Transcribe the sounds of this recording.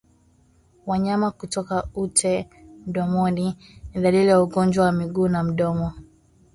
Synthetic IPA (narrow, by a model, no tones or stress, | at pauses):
waɲamakutɔkautʰɛ | m̩ɗɔmɔniniðalilijauɡɔnd͡ʒwawamiɡuːnam̩ɗɔmɔ